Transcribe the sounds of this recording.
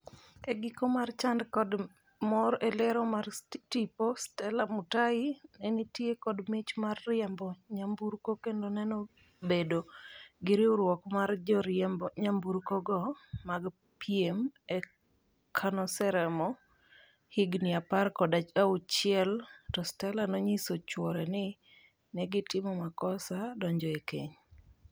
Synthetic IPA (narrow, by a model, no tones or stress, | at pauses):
eɡɪkomart͡ʃandkɔd | mɔɾɛlɛɾɔmartipostɛlamutaɪnɛnitjekɔdmɪt͡ʃmarːɪjɛmbɔɲambuɾkokendonɛnɔ | bedoɡɪɾioɾwɔkmard͡ʒɔɾɪɛmbɔɲambuɾkɔɡɔmaɡ | piemɛ | kʰanɔsɛɾɛmɔ | hiɡnɪaparkɔdat͡ʃaut͡ʃɪɛltɔstɛlanoɲisot͡ʃwɔɾɛnɪ | nɛɡɪtɪmɔmakɔsadɔɲd͡ʒɔekeɲ